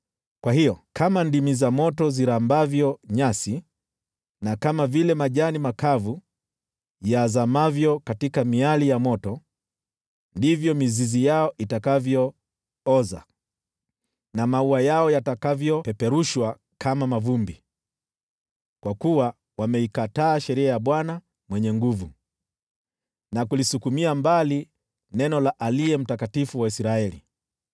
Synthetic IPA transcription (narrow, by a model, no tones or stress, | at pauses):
kwahijɔkʰamandimizamɔtɔziɾambavjɔɲasi | nakamavilɛmaʄanimakavu | jaːzamavjɔkatikamialijamɔtɔ | ndivjɔmizizijaɔʔitakavjɔ | ɔza̰ | namauajaɔjatakavjɔpɛpɛɾuʃwa | kʰamamavumbi | kwakuwa | wamɛikataːʃɛɾiajaɓwana | mwɛɲɛŋɡuvu | nakulisukumiambali | nɛnɔlaʔaliɛm̩takatifuwaisɾaɛlḭ